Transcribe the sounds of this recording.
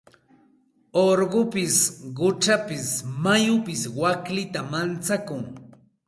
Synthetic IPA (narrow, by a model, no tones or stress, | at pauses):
oɾɢʊpɪsɢʊt͡ʃapɪsmajʊpɪswaklɪt̪amant͡sakʊŋ